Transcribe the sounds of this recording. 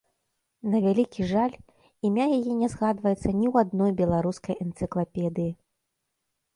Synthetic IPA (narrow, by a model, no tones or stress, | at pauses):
nɐvʲalʲikʲiʐalʲ | imʲajajɛnʲɛzɣad̪vɐjɛt̪sːɐnʲiwad̪̚nɔjbʲɛlˠaɾuskɐjɛnt̪sɨklˠapʲɛd̪ɨji